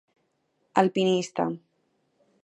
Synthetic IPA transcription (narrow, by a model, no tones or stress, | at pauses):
alpinist̪a̰